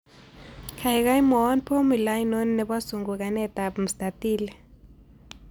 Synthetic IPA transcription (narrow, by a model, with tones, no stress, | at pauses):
kʰa˨i˨k̬a˦i˦mɔː˨˦npʰo˦mi˨la˦i˦no˦n˦nɛ˨ɓa˦su˨ŋɡu˨k̬a˨nɛ˦˨ta˨bm̩˨st̪a˨tiː˦lɛ˨